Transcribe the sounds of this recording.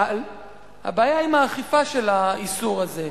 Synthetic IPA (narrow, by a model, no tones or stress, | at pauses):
ha̰baːjaimaːχifaʃelaisuʁaze